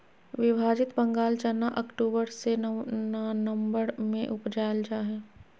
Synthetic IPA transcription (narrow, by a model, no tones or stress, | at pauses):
ʋɪbʱaːd͡ʒɪt̪bə̃ŋɡaːlt͡ʃanːaʔɐkʈuːbəɾse | nə̃mbəɾmẽʔʊpd͡ʒaːld͡ʒaːɦɛː